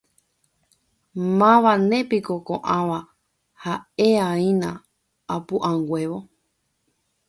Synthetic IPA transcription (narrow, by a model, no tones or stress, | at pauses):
mãʋanẽ̞pikokõ̰ʔãʋa | haeaĩnã | apuʔãŋɡwʷeʋo